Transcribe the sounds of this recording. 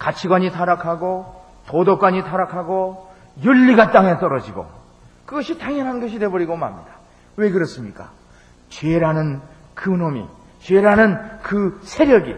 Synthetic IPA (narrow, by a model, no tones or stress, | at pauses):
kat͡ɕʰiɡwaɲitʰaɾakʰaɡo | todokwaɲitʰaɾakʰaɡo | juʎːiɡat͈aŋe̞t͈ʌɾʌd͡ʑiɡo̰ | kɯɡʌɕʰitaŋjʌnɦanɡʌɕʰide̞bʌɾiɡoma̰mɲid̥ḁ | we̞kɯɾʌs͈ɯmɲik͈a̰ | t͡ɕɥeɾanɯnkɯnomḭ | t͡ɕɥeɾanɯnkɯsʰe̞ɾjʌɡḭ